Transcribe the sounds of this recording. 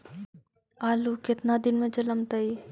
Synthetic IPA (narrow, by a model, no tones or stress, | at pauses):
aːlukɪt̪nad̪ɪnmẽd͡ʒɐləmt̪ɐi